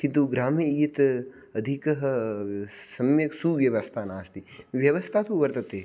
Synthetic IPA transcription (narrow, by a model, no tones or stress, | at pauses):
kĩnt̪uɡɾaːmijɐiːt̪ | ɐd̪ʱikɐɦɐ | sɐmjɐksuʋjɐʋɐst̪ʰaːnaːst̪iʋjɐʋɐst̪ʰaːt̪uʋɐɾt̪ɐt̪eː